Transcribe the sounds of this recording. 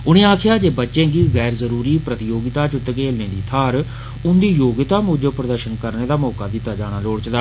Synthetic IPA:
ʊɽ̃ẽːaːkʰɪjaːd͡ʒeːbətːʃẽːɡiːɣɛːɾzəɾuːɾiːpɾət̪ɪjoːɡɪt̪aːt͡ʃʊt̪keːlnẽːd̪iːt̪ʰaːɾ | ʊnd̪iːjoːɡɪt̪aːmuːd͡ʒəpɾəd̪əɾʃənkəɾneːd̪aːmɔːkaːd̪ɪt̪ːaːd͡ʒaːɽ̃aːloːɽt͡ʃd̪aː

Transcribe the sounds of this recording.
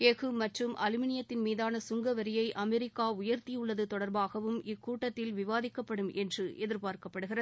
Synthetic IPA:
eːɣɯmɐʈrɯmʔɐlɯmɪnɪjɐt̪ːɪnmiːðaːnɐsʊŋɡɐʋɐɾɪjɐɪʔɐmɛɾɪkːaːʊjɐɾt̪ijʊɭːɐðɯt̪ɔɽɐɾbaːɣɐʋɯmɪkːuːʈːɐt̪ːɪlʋɪʋaːðɪkːɐpːɐɽɯmʔɛndrɯʔɛðɪɾpaːɾkɐpːɐɽɯɣɪrɐð

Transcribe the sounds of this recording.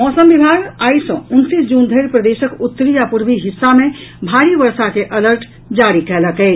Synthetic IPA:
mɔːsəmbibʱaɡajsə̃unsisd͡ʒund̪ʱəɪɾpɾəd̪esəkut̪ːəɾiapuɾbiɦisːamebʱaɾibəɾsakeʔələɾʈʰ | d͡ʒaɾikɛləkɛɪt͡ʃ

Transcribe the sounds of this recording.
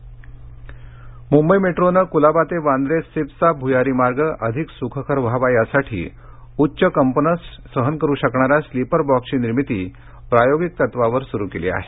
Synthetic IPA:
mumbəjmeʈɾonəkulabat̪eʋand̪ɾesepsabʱujaɾimaɾɡəʔəd̪ʱiksukʰəkʰəɾʋʱaʋajasaʈʰḭː | utːɕəkəmpənəsː | əɦənkəɾuːɕəkɳaɾaslipəɾbɔksiːniɾmit̪iː | pɾajoɡik̚t̪ət̪ʋaʋəɾsuɾukelḭa̰ɦe̥

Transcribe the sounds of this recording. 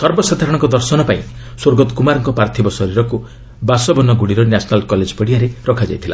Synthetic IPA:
sɔɾbɔsad̪ʱaɾɔɽ̃ɔŋkɔd̪ɔɾsɔnɔpaĩ | soɾɡɔt̪kumaɾɔŋkɔpɾaɾt̪ʰibɔsɔɾiɾɔku | basɔbɔnɔɡuɽiɾɔnasɔnalkɔled͡ʒpɔɽiaɾeɾɔkʰad͡ʒa̰jt̪ʰila̰

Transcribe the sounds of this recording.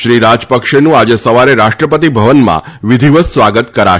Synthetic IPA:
ʃɾiɾad͡ʒpəkʃenũad͡ʒesəʋaɾeɾaʃʈɾəpət̪ibʱəʋənmã̰ʋɪd̪ʱiʋəssʋaɡət̪kəɾa̰

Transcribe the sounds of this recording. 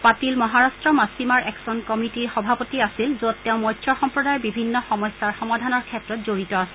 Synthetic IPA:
patilmɔɦaɹastɹɔmasimaɹʔɛksɔnkɔmitiɹxɔbʱapotiasilzotːeʊ̃mɔjtʰjɔxɔmpɹɔdajɔɹbibʱinːɔxɔmɔjsːaɹxɔmadʱanɔɹkʰɛtɹɔt̚zoɹitɔasɛ

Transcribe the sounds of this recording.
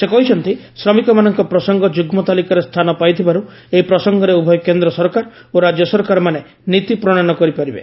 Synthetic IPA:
sekɔɦit͡ʃʰɔnt̪isɾɔmikɔmanɔŋkɔpɾɔsɔŋɡɔd͡ʒuɡmɔt̪alikaɾest̪ʰanɔpajt̪ʰibaɾueɦipɾɔsɔŋɡɔɾeubʱɔjɔkend̪ɾɔsɔɾkaɾoɾad͡ʒjɔsɔɾkaɾɔmane | nit̪ipɾɔɽ̃anɔkɔɾipaɾibḛ

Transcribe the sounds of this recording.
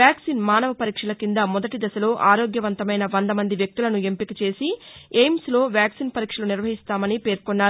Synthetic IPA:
jaːksinmaːnɐʋɐpɐɾiːkʂɐlɐkind̪ɐmɔd̪ɐʈid̪ɐsɐlo̞ːʔaːɾo̞ːɡjɐʋɐnt̪ɐmɐjnɐʋɐnd̪ɐmɐnd̪iʋjɐk̚t̪ulɐnue̞mpikɐt͡ʃe̞ːsiejmslo̞ːʋjaːksinpɐɾiːkʂɐluniɾʋɐɦist̪aːmɐnipe̞ːɾkɔnːaː

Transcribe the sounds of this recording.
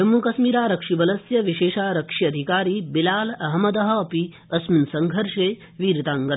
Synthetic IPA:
ɐmːukɐsmiːɾaːɾɐkʂibɐlɐsjɐʋiʃeːʃaːɾɐkʂiɐd̪ʱikaːɾiːbilaːlɐɦɐmɐd̪ɐɦɐ̆ːpi | ɐsminsɐŋɡʱɐɾʂeː | ʋiːɾt̪aːŋɡɐ

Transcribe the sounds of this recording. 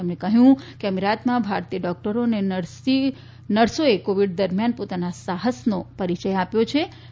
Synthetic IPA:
əmnekəɦjũkeəmiɾat̪mãbʱaɾt̪ijəɖɔk̚ʈəɾonen | i | nəɽsoekoʋiɖd̪əɾmjanpot̪anasaɦəsnopəɾit͡ʃəjapjot͡ʃʰe

